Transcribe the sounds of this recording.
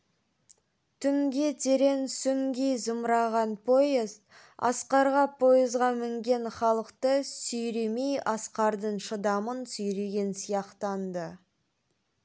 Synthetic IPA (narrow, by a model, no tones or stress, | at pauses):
t̪ʰʏŋɡʲe̞t̪ʰe̞ɾe̞nsʏŋɡʲejzəmɾɑʁɑnpʰo̞jəzt̪ | ɑ̰sqɑɾʁɑpʰo̞jəzʁɑmɪŋɡʲe̞nχɑlˠəqt̪əsʏjɾe̞mejɑsqɑɾd̪əɴʃəd̪ɑmənsʏjɾe̞ɡʲe̞nsijɑqt̪ɑnd̪ə